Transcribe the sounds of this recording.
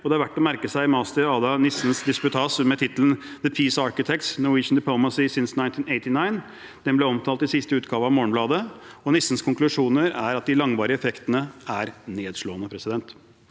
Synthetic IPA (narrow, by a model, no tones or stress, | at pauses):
ɔd̪ɛæɾʋæʈːɔmæɾkəsæɪmɑːst̪əɑːd̪ɑnɪsn̩sd̪ɪspʉt̪ʰɑːsəmɛt̪ʰɪt̪ələnðəpʰiːsɑɾkɪt̪ʰɛk̚t̪snʊɪːʂn̩d̪ɪpʰlɔʊməsɪsɪnsnaɪnt̪ʰɪːnɛɪt̪ɪnɑɪn | d̪̥ɛnblɛɔmt̪ʰɑːlt̪ɪsɪst̪əʉːt̪̚ɡɑːʋəɾɑʋmoːəɳ̩blɑːd̪əɔnɪsːn̩skʰʊŋklʉʂuːnəɾæɾɑt̪̚d̪ɪlɑŋʋɑːɾəɛfɛkt̪ənəæɾneːd̪ʂloːənəpʰɾɛsɪd̪ɛnt̪